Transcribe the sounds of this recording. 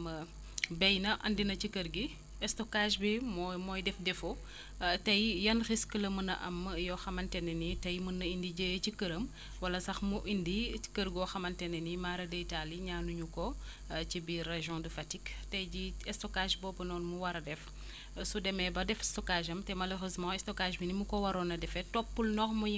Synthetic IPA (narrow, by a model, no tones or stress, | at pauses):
m | bɛjnɐʔɐ̰ndinɐt͡ʃikəɾɡi | ɛstɔkaʒbimɔmɔːjdɛfdɛfo | tɐjjɐnxiskəlɐmənɐ̰ʔɐ̰mjɔxɐmɐntɛnːɛnitɐjmənːɐindiɟejcikəɾəm | wɐlɐsɐxmuʔindi̥kəɾɡɔxɐmɐntɛnɐnimaɾɐdəitaliɲaːnuɲukɔ | cibirɛʒjɔ̃dufɐtiktɐjɟiɛstɔkaʒbɔːbɐnɔːnmuwɐɾɐdɛf | sudɛmɛbɐdɛfɛstɔkaʒɐmtɛmɐløʁøːzmɑ̃ɛstɔkaʒbinimukɔwɐɾɔːnɐdɛfɛtɔpːulnɔxmu